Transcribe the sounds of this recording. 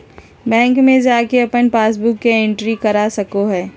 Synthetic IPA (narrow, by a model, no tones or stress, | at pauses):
bɛ̃ːŋkmẽd͡ʒaːkeɐpənpaːs̬bʊkːeɪ̃ɳʈɾikɐɾasɐkoɦɛː